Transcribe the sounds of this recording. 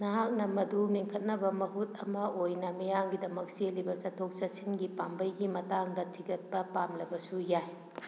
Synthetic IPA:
nɐɦak̚nɐmɐdumiŋkʰɐt̚nɐbɐmɐɦut̚ɐmɐojnɐmɐjaŋɡidɐmɐk̚selibɐsɐtʰːok̚sɐsinɡipambɐjɡimɐtaŋdɐtʰiɡɐt̚pɐpamlɐbɐsujaj

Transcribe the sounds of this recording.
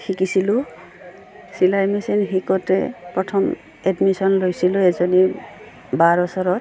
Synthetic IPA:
xikisilʊ̃ | silajmisinxikɔtɛpɹɔtʰɔm | ɛdmisɔnlojsilʊ̃ɛzɔni | baɹɔsɔɹɔt

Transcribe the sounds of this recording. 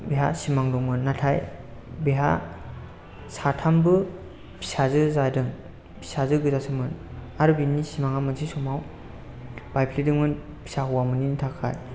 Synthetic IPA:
biɦa̰simaŋdɔŋmɯnːatʰajbiɦa̰ | satʰambɯ | bi̥sazɯzajdɯŋ | bʰi̥sazɯɡɯzasɯmɯn | aɾubinːisimaŋamɯnzisɔmaw | b̥ajpʰlidɯŋmɯn | bi̥saɦɔwamɯninitʰakʰa̰j

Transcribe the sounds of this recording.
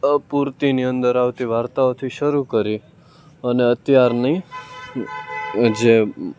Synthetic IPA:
puɾt̪iniə̃nd̪əɾaʋt̪iʋaɾt̪aot̪ʰiʃəɾukəɾi | əneət̪jaɾnəĩ | d͡ʒe

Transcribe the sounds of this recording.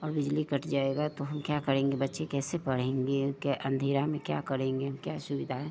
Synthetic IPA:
ɔːɾbɪd͡ʒlikəʈʰd͡ʒaːeɡat̪oɦɐmkjakɐɾẽːŋɡebɐtːʃekɛːsepɐɽ̤ẽːŋɡekʔə̃nd̪ʱeːɾamẽkja̰kɐɾẽːŋɡeɦɐmkjasʊbɪd̪ʱaɦɛː

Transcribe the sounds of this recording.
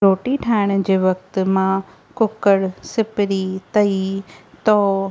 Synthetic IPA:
ɾoːʈiʈʰaːɪɽ̃̆d͡ʑeːʋɐk̚t̪mã | kʊkəɽsɪpɪɾit̪ɐit̪ɔː

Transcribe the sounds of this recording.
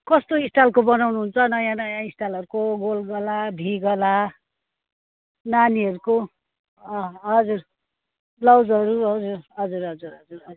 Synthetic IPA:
kʌst̪oisʈalkobʌnawnuɦunt͡sʰʌnʌjãnʌjãisʈalʌɾukoɡolɡʌlabʱiɡʌla | naniʌɾuko | ʌɦʌd͡zur | lʌwd͡zʌɾuɦʌd͡zurɦʌd͡zuɾɦʌd͡zuɾɦʌd͡zuɾʌ

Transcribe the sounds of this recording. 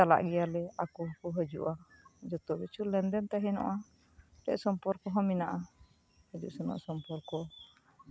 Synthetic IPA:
ala̰ʔɡijalɛakukɔɦəd͡ʒṵʔad͡ʒɔt̪ɔbɛt͡ʃulɛndɛnt̪aɦɛnɔ̰ʔa | ɾɛ̰ʔsɔmpɔɾkɔɦɔminaʔa | hɛd͡ʒṵʔsɛnɔ̰ʔsɔmpɔɾkɔ

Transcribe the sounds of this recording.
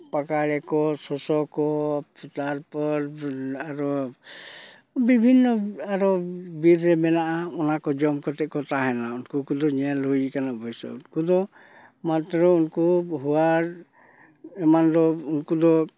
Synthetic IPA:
pakaɭɛkɔsɔsɔkɔt̪aɾpɔɾaɾɔ | bibʱinːɔaɾɔbiɾːɛmɛnaʔaɔnakɔd͡ʒɔmkɔt̪ɛʔ̚kɔt̪aɦɛnaunkukud̪ɔɲɛlɦujikanabɔjsa̰unkud̪ɔ | mat̪ɾɔunkuɦuaɾ | ɛmand̪ɔunkud̪ɔ

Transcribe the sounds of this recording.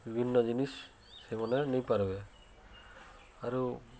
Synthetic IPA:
bibʱinːɔzinis | sejmɔnɛnijpaɾubɛ | aɹu

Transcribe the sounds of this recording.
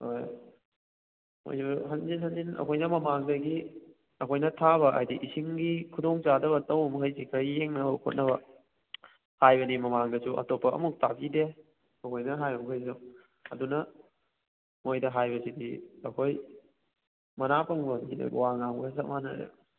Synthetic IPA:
oj | mo̰jsuɦɐnzinhɐnzinɐ̰kʰojnɐmɐmaŋdɐɡi | ɐkʰojnɐtʰaβɐʔa̰jdiʔisiŋɡikʰudoŋt͡ʃadɐβɐtɐwmɐɦɐjsikʰɐjjeŋnɐbɐkʰo̰t̚nɐβɐ | hajbɐnimɐmaŋdɐsuɐ̰topːɐʔɐ̰muk̚tapide | ɐkʰojnɐɦajbɐmkʰajzu | ɐdunɐ | mojdɐɦajbɐsidiɐkʰoj | mɐnapɐŋbɐŋinɐ̰ɡwaŋaŋbɐsɐmanɐ̰dḛ

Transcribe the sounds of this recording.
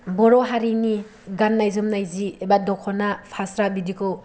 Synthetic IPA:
bɔɾɔɦaɾini | ɡanːajzɯmnajziebadɔkʰɔnapʰasɾabidikʰɯw

